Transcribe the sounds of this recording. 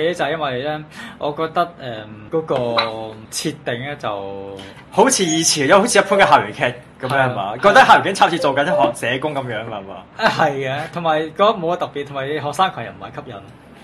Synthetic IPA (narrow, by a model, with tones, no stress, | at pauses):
ke˨˧˥ɛː˥t͡sɐ˨jɐ˥nwɐ˨jlɛː˥ʔɔ̰ː˨˧kɔː˧k̚t̪ɐ˥k̚ɛː˨˩kɔː˨˧˥kɔː˧t͡sʰiː˧t̪ːe˨ŋɛː˥t͡sɐ˨w | ho˨˥wt͡sʰiː˨˧jiː˨˧t͡sʰi˨˩˨jho˨˥t͡sʰi˧˥ɐ˥pʰʊ˥kɛ˧ɦaː˨˩ɥy˨˩kʰɛː˥t̚ | kɐ˨˦mjœː˦˥hɐ˨˩ma̰ː˨˦kɔː˧k̚t̪ɐ˥k̚haː˨wɥkʰɛ˥t͡sʰaː˥t͡ɕʰiː˧t͡so˨wkɐ˨˥nɦɔː˨k̚sɛː˨˧kʊ˥ŋkɐ˨˧˦mjœː˨˥ŋɐ˧hɐ˨˩ma̰ː˨˧hɐ˨jkɛː˧t̪ʰʊ˨˩ŋmaː˨˩jkɔ˨˥mo˨˧waː˧t̪ɐ˨k̚pi˨t̪ʰŋmaː˨˩˧ɦɔː˨k̚saː˥ŋkʰɔː˨˩ŋjɐ̰˨˩nm̩˨˩mɐ˨˩kʰɐ˥p̚jɐ̰˨˩n